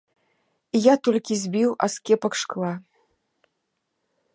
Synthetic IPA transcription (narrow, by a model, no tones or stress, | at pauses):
ijat̪ɔlʲkʲizʲbʲiwa̰skʲɛpɐkʂklˠa